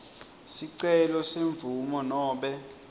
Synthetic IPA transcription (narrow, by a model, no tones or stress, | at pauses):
siǀɛlɔseɱb̪vumɔnɔːɓɛ